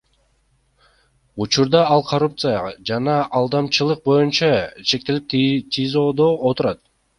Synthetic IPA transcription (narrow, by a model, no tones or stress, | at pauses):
ut͡ʃuɾd̪ɑɑlˠqʰorup̚t̪sɨjɑʁɑd͡ʒɑnɑʔːlˠd̪ɑmt͡ʃɯlˠɯq̚bo̞junt͡ʃɑt͡ʃʰe̞k̚t̪e̞lip̚t̪ʲʰizo̞d̪o̞ot̪uɾɑt̪̚